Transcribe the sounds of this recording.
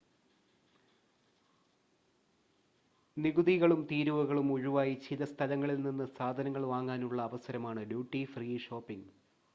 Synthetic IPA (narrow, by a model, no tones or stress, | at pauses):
niɡuðiɣɐɭumt̪iːɾuʋɐɣɐɭumuɻuʋaːjit͡ɕʰiðɐst̪ʰɐlɐŋːɐɭilninːɨsaːd̪ʱɐnɐŋːɐɭʋaːŋːaːnuɭːɐːʋɐsɐɾɐmaːɳɨljuːʈːifriːʂo̞ːpːiŋ